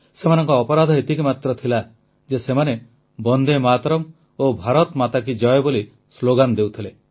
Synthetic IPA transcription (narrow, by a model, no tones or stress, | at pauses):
semanɔ̃ŋkɔːpɔɾad̪ʱɔet̪ikimat̪ɾɔt̪ʰila | d͡ʒesemane | bɔnd̪emat̪ɾɔm | obʱaɾɔt̪mat̪ak̬id͡ʒɔeboli | sloɡand̪ewt̪ʰile